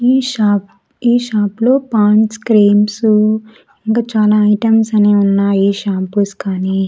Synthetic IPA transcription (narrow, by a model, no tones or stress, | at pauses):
iːʃaːp | iːʃaːplo̞ːpaːnskɾeːmsu | iŋkaːt͡ʃaːlaːɐjʈɐmsɐneːunːaːiːʃaːpuskaːni